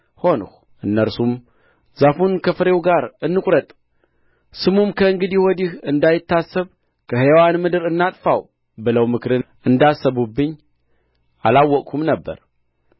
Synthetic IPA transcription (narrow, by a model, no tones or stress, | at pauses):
ho̞nɨ̰x | ʔɨnːəɾsum | zafunkʰəfɨɾe̞wɡaɾɨnːɨkʼɾət̪ʼ | sɨmumkʰəɨŋɡɨd̪ihɔd̪ihɨnd̪ajɪt̪ːasːəβ | kʰəhewanmɨd̪ɨɾɨnːat̪ʼfaw | bɨləwmɨkʰɾɨnʔɨnd̪asːəβubːɨɲː | ʔa̰lawːɔkʼkʰumnəbːə̰ɾ